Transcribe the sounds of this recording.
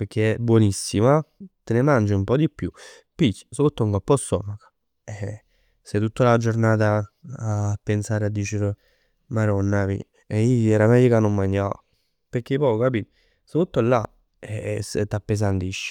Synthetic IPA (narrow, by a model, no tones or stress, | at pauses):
peɾk̟ːeɛbwɔnisːimat̪enemand͡ʒumpɔd̪ipːju | pit͡ʃːsout̪ːouŋkɔpːɔsːɔ̰mako̥ | ɛ | set̪ːut̪ːalad͡ʒoɾnaːt̪̬aː | pːensaːɾad̪ːiːt͡ʃeɾ | maɾɔnːavḭ | ɛiɛɾamɛjokanːomːaɲːa | peɾk̟ːepɔokapiːt̪ | sout̪ːolːa | ɛt̪ːapːes̬ant̪iʃːi̥